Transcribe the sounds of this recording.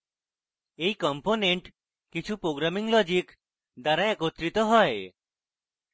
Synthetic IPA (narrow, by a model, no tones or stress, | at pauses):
ejkɔmponeɳʈ | kit͡ʃʰupɾoɡɾamiŋlɔd͡ʒik | d̪aɾaɛkot̪ːɾit̪oɦɔe